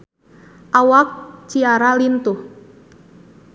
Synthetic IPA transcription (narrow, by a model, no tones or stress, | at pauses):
ʔawak̚t͡ʃiaɾalint̪uh